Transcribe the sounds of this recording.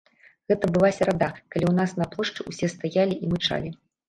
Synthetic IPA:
ɣɛt̪ɐbɨlˠasʲɐɾad̪akalʲiwnasnɐplˠɔʂt͡ʂɨusʲɛst̪ajalʲiʔimɨt͡ʂa̰lʲi

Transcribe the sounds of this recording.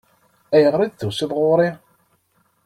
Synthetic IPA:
æjəʁɾid̪θʊsɪðˤʁʊɾi

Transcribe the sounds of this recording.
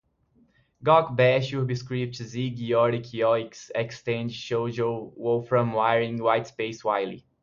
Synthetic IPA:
ɡɔkbɛʃubiskɹip̚tziɡiɔɾikʰiɔiksɛkstẽnd͡ʒʃod͡ʒowofɹɔ̃mwajɹĩŋwajtspeɪswaɪlḭ

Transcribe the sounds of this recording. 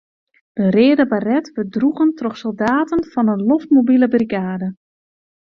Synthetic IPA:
d̥əreːdəbarɛtʋədruɣəntroxsolˠdaːtənfɔnənloftmobiləbərikaːdə

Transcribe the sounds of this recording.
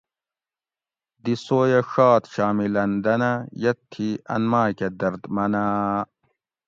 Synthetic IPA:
d̪isoːjɐʂaːt̪ɕaːmilɐnd̪ɐnɐjɐt̪ʰːiɐ̰nmaːkɐd̪ɐɾd̪mɐnaː

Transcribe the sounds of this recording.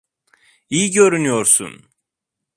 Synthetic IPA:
ijiɟø̞ɾynyjo̞ɾsṵn

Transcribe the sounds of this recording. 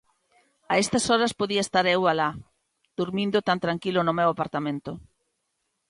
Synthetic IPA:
aest̪ɐsɔɾɐspoðiɐest̪aɾewala | d̪̥uɾmind̪ʊt̪ant̪ɾaŋkilʊnʊmewapaɾt̪amẽnt̪ʊ

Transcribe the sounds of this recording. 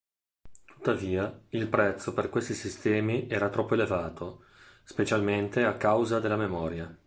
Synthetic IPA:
t̪u̥t̪ːaviːailpɾɛt̪sːoperkwest̪isist̪ɛːmiʔɛːɾat̪ɾɔpːoelevaːt̪ʰo | spet͡ʃalment̪eakːawzad̪elːamemɔːɾja

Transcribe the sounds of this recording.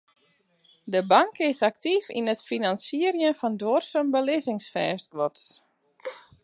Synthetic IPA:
dəbaŋkɪsak̚tifḭnətfinansiəɾjənfɔndworsənbəlɪzɪŋsfɛːskʋɔts

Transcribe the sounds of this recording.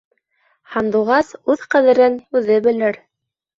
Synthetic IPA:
hɑnd̪uʁɑsʉðqæðɘ̆ɾɘnʉðɘbɘ̆lɘɾ

